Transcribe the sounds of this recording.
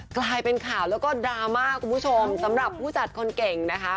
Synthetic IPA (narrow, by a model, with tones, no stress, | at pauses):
klaː˧jpe˧nkʰaː˨˩˦wlɛː˦˥wkɔː˥˩daː˧maː˥˩kʰːu˧npʰu˥t͡ɕʰo˧msa˩˦mɾa˨˩pʰːuː˥˩t͡ɕa˨˩t̪̚kʰo˧nke˨˩ŋna˦˥kʰa˦˥